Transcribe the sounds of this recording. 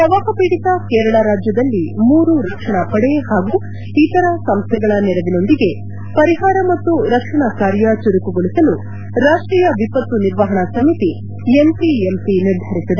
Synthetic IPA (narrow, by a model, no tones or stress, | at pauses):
ɐʋaːɦɐpiːɽit̪ɐkeːɾɐɭaɾaːd͡ʒjɐd̪ɐlːimuːɾuɾɐkʂɐɳɐpɐɽehaːɡuː | it̪ɐɾɐsɐmst̪ʰɛɡɐɭɐnɛɾɐʋino̞nd̪iɡe̞ | pɐɾiɦaːɾɐmɐt̪ːuɾɐkʂɐɳɐkaːɾjɐt͡ʃuɾukuɡoɭisɐlu | ɾaːʂʈɾiːjɐʋipɐt̪ːuniɾʋɐɦɐɳɐsɐmit̪i | empiempiniɾd̪ʱɐɾisid̪e